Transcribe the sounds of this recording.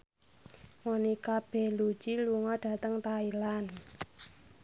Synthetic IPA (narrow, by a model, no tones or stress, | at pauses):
ŋɔnikab̥ɛhlu̥d͡ʒiluŋɔɖ̥a̤t̪əŋt̪ailan